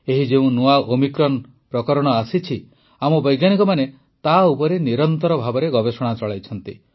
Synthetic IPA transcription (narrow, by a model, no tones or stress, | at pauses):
eɦid͡ʒeũnuaʔomikɾɔn | pɾɔkɔɾɔɽ̃ɔasit͡ʃʰi | amɔbɔjɡjanikɔmane | t̪aupɔɾeniɾɔnt̪ɔɾɔbʱabɔɾeɡɔbesɔɽ̃at͡ʃɔɭajt͡ʃʰɔnt̪i